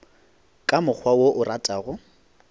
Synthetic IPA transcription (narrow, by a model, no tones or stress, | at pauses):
kʼamʊk͡xʰwawoʔʊrʔatʼaːɣʊ